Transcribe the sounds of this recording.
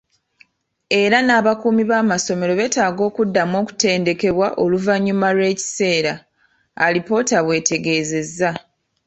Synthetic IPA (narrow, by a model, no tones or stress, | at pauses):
e̞ɾanaːβakuːmiβaːmaso̞me̞ɾo̞βe̞ːtaːɡo̞ːkudːamo̞ːku̥te̞ːnde̞ke̞βwaʔo̞luvaɲːumaɾwe̞ːci̥se̞ːɾaː | lipo̞ːtaβwe̞ːtʰe̞ɡe̞ːze̞zːa